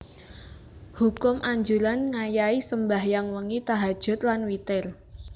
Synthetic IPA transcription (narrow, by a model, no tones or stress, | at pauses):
hukʊmʔaɲd͡ʒulanŋajaisəmbahjaŋwəŋit̪aɦad̥ʒ̥ʊ̤t̪̚lanwit̪ɪl